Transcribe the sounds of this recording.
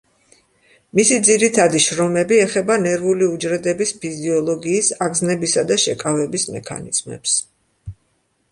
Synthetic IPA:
misid̪ziɾit̪ʰad̪iʃɾɔmɛbiɛχɛbanɛɾvuliud͡ʒɾɛd̪ɛbispʰiziɔlˠɔɡiːsaɡznɛbisad̪aʃɛkʼavɛbismɛ̰kʰa̰nḭz̥mɛ̰ps

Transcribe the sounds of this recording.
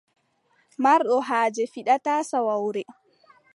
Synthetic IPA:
maɾɗɔɦaːd͡ʒɛfiɗataːsawawɾɛ

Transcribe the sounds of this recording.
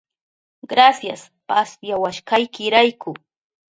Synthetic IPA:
ɢɾasjas | pasjawaʃkɑjkɪɾajkʊ

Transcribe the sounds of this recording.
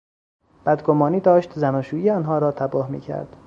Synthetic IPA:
b̥æd̪ɡomɒːniːd̪ɒːʃt̪zænɒːʃuːiːeɒːnɦɒːɾɒːt̪ʰæbɒːhmḭːcʰæ̰ɾd̪̥

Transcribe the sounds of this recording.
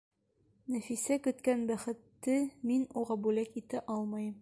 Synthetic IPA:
næfisækɵ̆t̪kænbæχɘ̆t̪ːɘminuʁɑbʉlækit̪æʔɒlˠmɤj

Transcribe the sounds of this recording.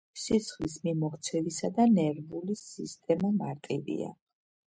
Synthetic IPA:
sit̪sʰχlismimɔχt̪sʰɛvisad̪anɛɾvulisist̪ʼɛmamaɾt̪ʼivḭa̰

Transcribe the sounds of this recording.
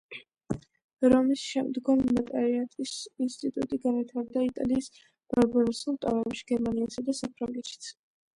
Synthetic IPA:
ɾɔmisʃɛmd̪ɡɔmːat̪ʼaɾiat̪ʼisinst̪ʼit̪ʼṵt̪ʼiɡanvit̪ʰaɾd̪ait̪ʼa̰liːs | b̥aɾbaɾusulˠt̪ʼa̰vɛpʃi̥ɡ̥ɛɾmaniasad̪asapʰɾaŋɡɛt̪ʃi̥t̪sʰ

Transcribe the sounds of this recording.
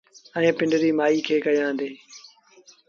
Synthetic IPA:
ɛ̃ːpɪ̃ɳɖəɾiːmaːiːkʰeːkəjãːnd̪eː

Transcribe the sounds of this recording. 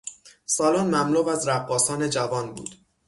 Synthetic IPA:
sɒːlonmæmluːvæzɾæbːɒːsɒːne̞d͡ʒævɒːnbṵːd̪̥

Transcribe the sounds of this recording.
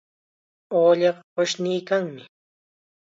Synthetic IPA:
oːʎɑɢɑɢoʃniːkaŋmɪ

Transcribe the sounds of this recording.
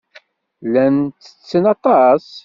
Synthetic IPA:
lænt͡sːə̥t͡sːənɑt̪ˤɑs

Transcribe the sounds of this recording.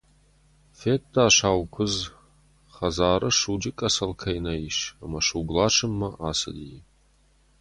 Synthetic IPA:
feːtʰdaːɕaːwkʷʰʊz | χɐzaːɾɨʂud͡ʒɪkʼɐsɐlkʰɐjnɐiʃɐmɐʂuɡʷlaːʈ͡ʂʰɨmːɐʔaːsɐ̰di

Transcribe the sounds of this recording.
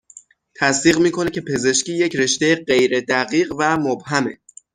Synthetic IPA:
t̪ʰæsd̪iːɣmiːkʰo̞necʰe̞pʰe̞ze̞ʃciːje̞cʰɾe̞ʃt̪ejeɢe̞jɾed̪æɣiːɢvæmobhæmḛ

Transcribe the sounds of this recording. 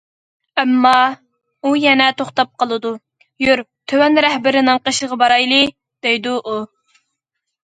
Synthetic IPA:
ɛmːɑ | ujɛnɛt̪ʰoχt̪ɑp̚qʰəlˠɨd̪u | jøɾt̪ʰøwɛnɾɛhbɪɾɪnɨŋqəʃəʁɑbɑɾɑjlˠɨ | d̪̥ejd̪uʔu

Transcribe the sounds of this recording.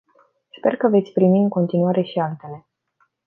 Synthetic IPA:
spe̞̰rkəve̞t̪sʲpɾimiɨŋko̞nt̪inuaɾe̞ʃialt̪e̞le̞

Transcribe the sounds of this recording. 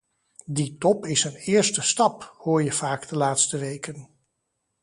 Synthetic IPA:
ditɔpɪsənɪːɹstəstɑphʊːɹjəv̥aːɡdəlaːtstəʋejkən

